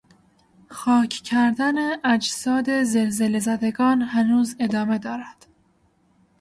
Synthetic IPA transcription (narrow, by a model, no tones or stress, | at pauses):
xɒːcʰcʰæɾd̪æneʔæd͡ʒsɒːd̪ezelzelezæd̪eɡɒːnɦænuːze̞d̪ɒːme̞d̪ɒːɾæd̪̥